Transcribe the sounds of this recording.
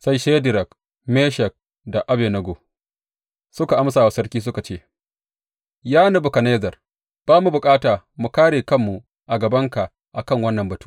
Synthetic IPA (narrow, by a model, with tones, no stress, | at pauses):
sa˦jʃe˦dɪ˨ɾɐ˨k | meː˦ʃɐ˨k̚ | da˨ʔa˦be˨nɐ˦ɡo˨ | sʊ˦ka˨ʔa˦ms̬aː˨wa˨sɐ˦rkʲiː˦s̬ʊ˦ka˨t͡ʃeː˦˨ | jaː˦na˨bʊ˨ka˨ne˦zɐ˨r | b̥aː˦mu˨bʊ˨kʼaː˦taː˨mu˨kaː˦ɽeː˨kɐ˦˨mːu˨ | ʔa˨ɡɐ˨bɐ˦ŋka˨ʔ | ʔa˨kɐ˦˨ŋwɐ˦nːɐ˨mbɐ˨tu̥ː˦